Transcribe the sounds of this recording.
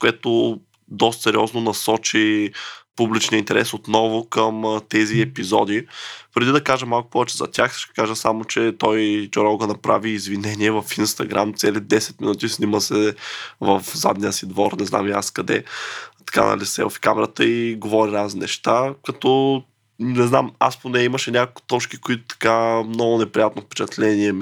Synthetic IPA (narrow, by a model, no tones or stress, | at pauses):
koɛt̪o | d̪ɔst̪sɛɾiɔznonɐsɔt͡ʃipublit͡ʃnʲiəint̪ɛɾɛsot̪nɔvʊkəmt̪ɛziɛpizɔ̰d̪ipɾɛd̪id̪ɐkaʒəmalˠkʊ̥pɔvɛt͡ʃɛzɐ̰t̪ʲaxsʃt̪ɛ̥kaʒəsamot͡ʃɛt̪ɔjt͡ʃoɾɔɡonɐpɾa̰viːzvinɛniɛvəfinst̪ɐɡɾa̰mt̪sɛlid̪ɛsɛ̥t̪̚minut̪isniməsɛvɐfza̰d̪nijəsid̪vɔɾnɛzna̰miaskɐd̪ɛ̰t̪ɐ̥ka̰nɐ̰lisɛ̰vɐ̰fi̥kamɛɾət̪əiɡovɔɾiɾazinɛʃt̪akɐt̪ɔ | nɛznama̰sponɛiməʃɛnʲakolkʊ̥t̪ɔt͡ʃkikoit̪ʊ̥t̪ɐ̥kamnɔɡʊnɛpɾijat̪nofpɛ̥t͡ʃɐt̪lɛniɛm